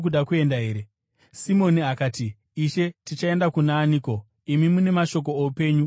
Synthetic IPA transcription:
k̬uɗakue̞ndaɦe̞ːɾe | simo̞niakaːtiː | ʃe̞tit͡ʃae̞ndakunaːniko̞ | imimune̞maʃo̞k̬o̞ːupe̞ːɲu

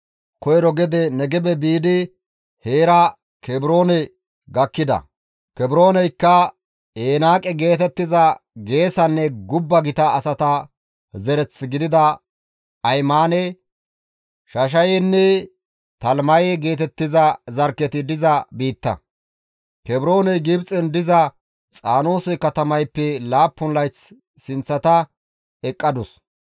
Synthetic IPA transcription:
kɔjɾɔɡɛd̪ɛnɛɡɛbɛbiːd̪ɪ | heːɾɐ | kɛbɪɾo̞ːnɛ | ɡɐkːɪd̪ɐ̰ | kɛbɾoːnɛjkːɐ | eːnaːkʼɛɡe̞ːt̪ɛt̪ːɪzɐɡe̞ːsɐnːɛɡʊbːɐɡɪt̪ɐːsɐt̪ɐ | zɛɾɛt͡sːɪɡɪd̪ɪd̪ɐ | ɐjmaːnɛ | ʃɐʃ̬ɐjɛnːɛ | t̪ɐlmɐjɛɡe̞ːt̪ɛt̪ːɪzɐzɐɾkːɛt̪ɪd̪ɪzɐbiːt̪ːɐ̰ | kɛbɾo̞ːnɛɡɪbt͡sʼɛnd̪ɪzɐ | t͡sʼaːno̞ːsɛkɐt̪ɐmɐjpːɛlaːpːʊnlɐjt͡s | sɪnt͡sːɐt̪ɐ | ɛkʼːɐd̪ʊs

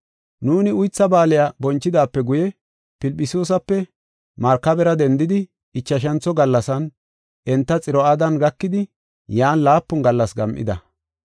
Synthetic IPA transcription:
nuːnɪʊjt͡sːɐbaːlɪjabɔnt͡ʃːɪd̪aːpːɛɡʊjɛ | pɪlpʼːɪsoːs̬ɐpːɛ | mɐɾkːɐbɛɾɐd̪ɛnd̪ɪd̪ɪ | ɪt͡ʃːɐʃ̬ɐnt͡sɔɡɐlːɐsɐn | ʔɛnt̪ːɐt͡sʼɪɾɔad̪ɐnɡɐkːɪd̪ɪ | jaːnlaːpːʊnɡɐlːɐsɡɐmʔɪ̰d̪ɐ

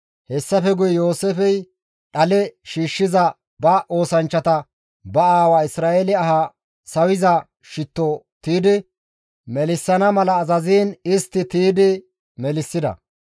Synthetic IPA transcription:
hɛsːɐfɛɡʊjɛjo̞ːsɛfɛj | ɗɐlɛʃiːʃːɪzɐ | bɐʔo̞ːsɐnt͡ʃːɐt̪ɐ | bɐaːwaːɪsɾaːʔelɪɐɦa | sɐwɪzɐ | ʃɪt̪ːo | t̪iːd̪ɪ | mɛlɪsːɐnɐmɐlɐːzɐziːnɪst̪ːɪt̪iːd̪ɪ | mɛlɪsːɪd̪ɐ̰

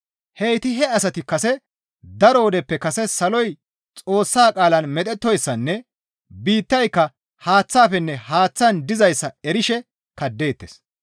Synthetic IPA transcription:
hejt̪ɪɦɛɐsɐt̪ɪkːɐsɛ | d̪ɐɾɔɔd̪ɛpːɛkɐsɛsɐlɔj | t͡sʼo̞ːsːaːkʼaːlɐnmɛt̪ʼɛt̪ːɔjsːɐnːɛ | biːt̪ːɐjkːɐ | haːt͡sːaːfɛnːɛhaːt͡sːɐnd̪ɪzɐjsːɐɛɾɪʃɛ | kɐd̪ːe̞ːt̪ːeːs

